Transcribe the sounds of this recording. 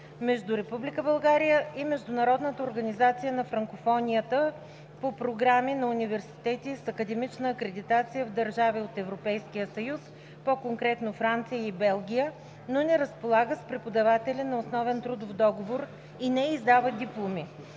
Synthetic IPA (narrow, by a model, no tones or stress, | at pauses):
mɛʒd̪uɾɛpublʲikəbɐlˠɡaɾijəʔimɛʒd̪ʊnɐɾɔd̪nət̪əoɾɡɐnizat̪sijənɐfɾɐŋkofɔnʲijət̪ə | popɾoɡɾaminɐunivɛɾsi̥t̪ɛt̪isɐkəd̪ɛmit͡ʃnəːkɾɛd̪it̪at̪sijəvd̪ɐɾʒaviot̪ɛvɾopɛjskijəsəjus | pokoŋkɾɛt̪nofɾant̪sijəibɛlˠɡʲijə | nonɛɾəspolˠaɡəspɾɛpod̪ɐvat̪ɛlʲinɐosnɔvɛnt̪ɾud̪ofd̪ɔɡovoɾ | inɛizd̪avəd̪iplˠomi